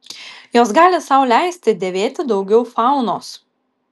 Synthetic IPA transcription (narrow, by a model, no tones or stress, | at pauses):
joːsɡɑːlʲɪsɐʊlʲæˑɪsʲt̪ʲɪd̪ʲeːʋʲeːt̪ʲɪd̪ɒʊɡʲɛʊfɑˑʊnoːs